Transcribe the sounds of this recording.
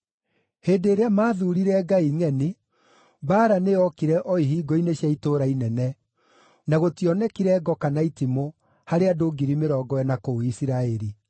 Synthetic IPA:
heːndeːɾeamaːðuɾiɾɛɡaiŋɛni | baːɾaneɔkiɾɛʔɔiɦiːɡɔineɕjaitoːɾainɛnɛ | naɣotiɔnɛkiɾɛɡɔkanaitimo | haɾeadoːɡiɾimeɾɔːɡɔɛnakoisiɾaɛɾi

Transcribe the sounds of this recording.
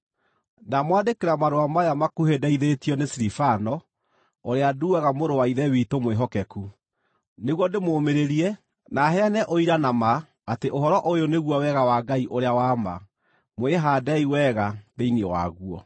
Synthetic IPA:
namwadekeɾamaɾoamajamakuhedɛiðetijɔnesiɾifanɔ | oɾeaduaɣamoɾowaiðɛwitomweɦɔkɛku | neɣwɔdemomeɾeɾiɛ | naɦɛanɛʔoiɾanamaː | teʔoɦɔɾɔʔojoneɣwawɛɣawaɡaiʔoɾeawama̰ | mweɦaːdɛiwɛɣaðeiniɔwa̰ɣuɔ̰

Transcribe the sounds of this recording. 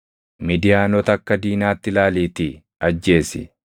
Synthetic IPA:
mid̪ɪjaːnɔt̪ɐkːɐd̪iːnaːt̪ːɪlaːliːt̪i | ɐd͡ʒːe̞ːsɪ̰

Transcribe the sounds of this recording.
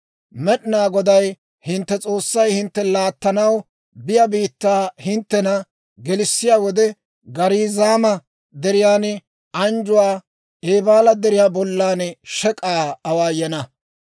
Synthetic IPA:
mɛɗɪnaːɡɔd̪ɐj | hɪnt̪ːɛt͡sʼo̞ːsːɐjhɪnt̪ːɛlaːt̪ːɐnɐw | bɪjɐbiːt̪ːaːhɪnt̪ːɛnɐ | ɡɛlɪsːɪjaːwɔd̪ɛ | ɡɐɾiːzaːmɐ | d̪ɛɾɪjaːnɛ | ɐnd͡ʒʊwaː | eːbaːlɐd̪ɛɾɪjaːbɔlːaːnʃɛkʼaːɐwaːjɛnɐ

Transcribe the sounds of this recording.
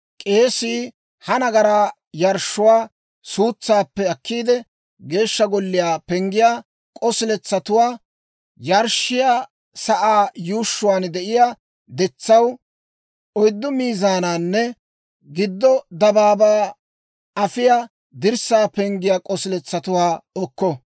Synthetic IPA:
kʼeːsiː | hɐnɐɡɐɾaː | jɐɾʃːʊwaː | suːt͡sːaːpːɛɐkːiːd̪ɛ | ɡe̞ːʃːɐɡɔlːɪjaːpɛŋɡɪjaː | kʼɔsɪlɛt͡sːɐt̪ʊwaː | jɐɾʃːɪjaː | sɐʔaːjuːʃːʊwaːnd̪ɛʔɪjaː | d̪ɛt͡sːɐw | ɔjd̪ːʊmiːzaːnaːnːɛ | ɡɪd̪ːɔd̪ɐbaːbaː | ɐfɪjaː | d̪ɪɾsaːpɛŋɡɪjaːkʼɔsɪlɛt͡sːɐt̪ʊwaːɔkːɔ

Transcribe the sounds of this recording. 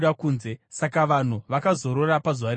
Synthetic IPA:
ɗakuːnze̞sakaʋan̤uʋakazo̞ɾo̞rapazuʋaɾe

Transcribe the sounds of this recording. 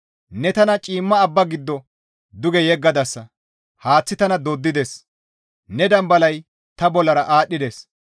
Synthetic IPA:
nɛt̪ɐnɐt͡ʃʼiːmːɐːbːɐɡɪd̪ːɔ | d̪ʊɡɛjɛɡːɐd̪ɐsːɐ | haːt͡sːɪt̪ɐnɐd̪od̪ːɪd̪ɛs | nɛd̪ɐmbɐlɐj | t̪ɐbɔlːɐɾɐʔaːɗːɪd̪ɛs

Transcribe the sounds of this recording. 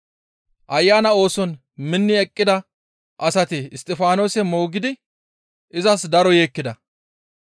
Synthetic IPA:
ʔɐjːaːnɐo̞ːsɔn | mɪnːɪɛkʼːɪd̪ɐ | ʔɐsɐt̪ɪːst̪ʼɛfaːno̞ːsɛmo̞ːɡɪd̪ɪ | ʔɪzɐsd̪ɐɾɔjeːkːɪd̪ɐ

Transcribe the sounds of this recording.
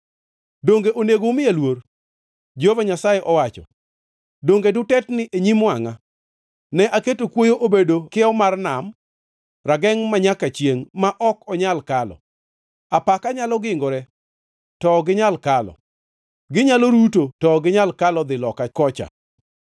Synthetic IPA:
doŋɡeʔoneɡomɪelwor | d͡ʒovaɲasajeʔɔwat͡ʃɔ̰ | doŋɡedʊtɛtnɪʔeɲimwaŋa | nɛʔaketokwojoʔobedokɪɔmarnam | raɡɛŋmaɲakat͡ʃjeŋmaʔɔkɔɲalkalɔ̰ | apakaɲalɔɡɪŋɡoɾɛ | tɔɡɪɲalkalɔ̰ | ɡɪɲaloɾutotɔɡɪɲalkalɔd̪ɪlɔkakɔt͡ʃa̰

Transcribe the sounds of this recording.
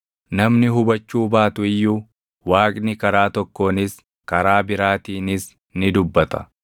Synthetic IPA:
nɐmnɪɦʊbɐt͡ʃːuːbaːt̪ʊɪjːuː | waːkʼnɪkɐɾaːt̪ɔkːo̞ːnɪs | kɐɾaːbɪɾaːt̪iːnɪs | nɪd̪ʊbːɐt̪ɐ̥

